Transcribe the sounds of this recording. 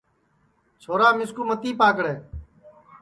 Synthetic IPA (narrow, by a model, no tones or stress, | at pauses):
t͡ʃʰoːɾaːmɪskuːmət̪iːpaːk̬ɽeː